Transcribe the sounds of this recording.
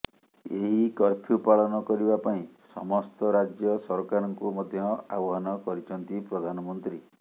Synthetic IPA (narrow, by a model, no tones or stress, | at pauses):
eɦikɔɾpʰjupaɭɔnɔkɔɾibapaĩsɔmɔst̪ɔɾad͡ʒjɔsɔɾɔkaɾɔŋkumɔd̪ʱjɔa̰bɔɦɔnɔkɔɾit͡ʃʰɔnt̪ipɾɔd̪ʱanɔmɔnt̪ɾi